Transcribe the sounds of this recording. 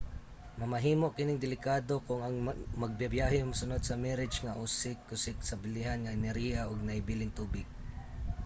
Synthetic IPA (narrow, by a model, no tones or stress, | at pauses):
mɐmɐɦiːmoʔkɪnɪŋd̪ɪlɪkaːd̪o̞kʊŋɐŋmɐɡ̚bjabjaːɦɪʊmʊsʊnod̪̚sɐmɛɾɪd͡ʒŋɐʔuːsɪkːʊsɪksɐbɪlɪɦanŋɐɛnɛɾhijaʔoɡ̚nɐhɪbiːlɪŋt̪uːbɪɡ̥̚